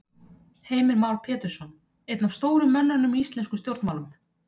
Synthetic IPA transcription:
heːjmɪɾmaːwlpʰɛːt̪ɪɾsɔn | ejt̪nav̥st̪oːwɾʏmːɛnːanːʏmiist̪lɛnskʏmst̪jowɾt̪nmaːwlʏm

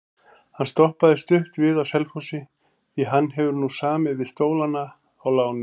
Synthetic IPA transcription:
hanst̪ɔhpaðɪst̪ʏht̪vɪðawsɛlfusɪ | iɦanːɦɛvʏɾnusaːmɪvɪðst̪oːwlanːaː | wlaːwnʏ

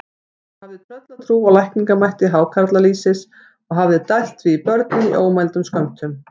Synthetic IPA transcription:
havðɪt̪ʰɾœt̪lat̪ʰɾuːaɣlajhkniŋkamajht̪ɪɦaːwkʰaɾt̪laliːsɪs | ɔɣɦavðɪt̪ajht̪viipœɾt̪nɪmḭʔoːwmajlt̪ʏmskœnt̪ʰʏm

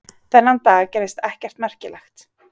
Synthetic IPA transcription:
θɛnːant̪aːɣcɛɾɪst̪ɛhcɛr̥t̪mɛr̥cɪlʔɛxt̪

